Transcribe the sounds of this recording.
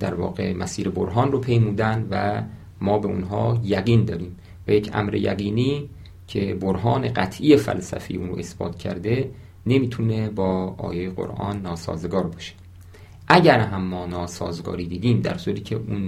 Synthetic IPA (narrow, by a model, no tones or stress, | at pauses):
d̪̥æɾvɒ̰ːɣe̞̰mæsiːɾeboɾɦɒːnropʰejmuːd̪ænvæ | mɒːbeʔunɦɒ̰ːjæɣiːnd̪ɒːɾiːm | væjecʰʔæ̰mɾḛjæ̰ɣiːniː | cʰe̞boɾɦɒːne̞ɢæt̪ʰʔijefæ̰lsæ̰fejuːnɾo̰ʔe̞sb̥ɒ̰ːt̪̚ʰcʰæ̰ɾd̪e̞ | ne̞miːt̪ʰunebɒːɒ̰ːjejeɢo̰ɾʔɒ̰ːnːɒːsɒ̰ːzeɡɒːɾbɒːʃe̥ | ʔæɟæɾɦæmːɒːnɒːsɒːzɡɒ̰ːɾiːd̪iːd̪iːmd̪æ̰ɾsuɾiːcʰeʔuːn